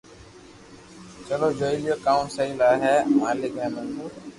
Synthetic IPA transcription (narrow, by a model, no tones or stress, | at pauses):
t͡ʃəloːd͡ʒoːilɪjoːkaːmsəiːlaːɦɛːmaːlɪkɦẽːmũː